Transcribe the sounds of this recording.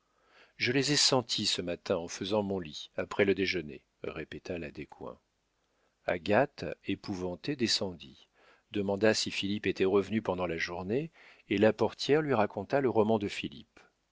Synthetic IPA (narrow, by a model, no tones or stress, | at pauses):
ʒəlezɛsɑ̃t̪ʰisəmat̪ɛ̃ɑ̃fəzɑ̃mɔ̃liapχɛləd̪eʒənḛ | ʁepet̪alad̪ekʰwɛ̰̃ | a̰ɡat̪epuvɑ̃t̪ed̪esɑ̃d̪i | d̪əmɑ̃d̪asifilipet̪ɛʁəvnypɑ̃d̪ɑ̃laʒuʁneː | lapɔʁt̪jɛʁlɥiʁakɔ̃t̪aləʁɔmɑ̃d̪əfilḭp